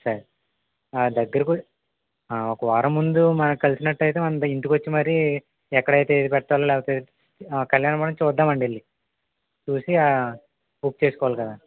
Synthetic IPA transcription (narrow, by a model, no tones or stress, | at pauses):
sɐɾ | d̪ɐɡːɐɾiku | aɔkɐʋaːɾɐmːund̪umɐnɐkikɐlisinɐʈːɐjt̪̬e̞ːmɐnɐnt̪ɐint̪ukʋɐt͡ʃːimɐɾi | ɛkːɐɽɐjt̪ed̪ipɛʈɐʈ̪ːaːlalɛːpɐt̪ɐi | kɐljaːnɐpɐɽɐmt͡ʃɔːd̪ːaːmɐɳɖelːi | t͡ʃuːsia | up̚t͡ʃeːsukɔːʋaːlikɐd̪aː